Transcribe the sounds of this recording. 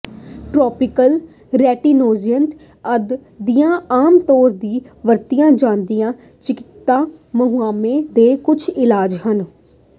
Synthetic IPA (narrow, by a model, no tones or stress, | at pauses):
ʈɾɔːpɪkəl | ɾɛːʈiːnoːziənt̪ | əd̪d̪ijãːaːmt̪ɔːɾd̪iːʋəɾt̪ijãːd͡ʒãːnd̪ijãː | t͡ʃɪkɪ̥t̪ːãːməɦuaːmẽːd̪eːkʊt͡ʃʰɪlaːd͡ʒhən